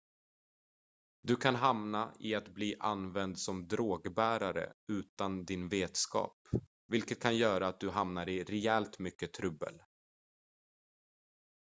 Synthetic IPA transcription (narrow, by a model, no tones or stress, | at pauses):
d̪ɵkʰanɦamnaɪat̪bliːʔa̰nvɛnd̪sɔmd̪ɾoːɡbæːɾaɾə̰ʉ̟ːt̪and̪ɪnveːt̪skɑ̰ːp | vɪlkət̪̚kʰanjœːɾaːt̪̚d̪ɵɦamnaɾɪɾɛɛlt̪mʏkːət̪ʰɾɵbːə̰l